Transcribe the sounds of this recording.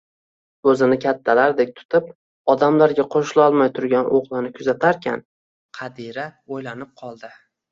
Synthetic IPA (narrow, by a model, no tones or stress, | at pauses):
ɵzɪnɪkʲʰat̪ʰːalaɾd̪ek̚ʲt̪ʰʊ̥t̪ʰɪp̚ | ɒd̪amlaɾɡʲaqʰoʃlˠɒlˠmajt̪ʰʊɾɡʲanʔoʁlˠɪnɪkʲʰʊzat̪ʰaɾkʲʰa̰n | qʰɑd̪iɾaojlanɪp̚qʰɒlˠd̪ɪ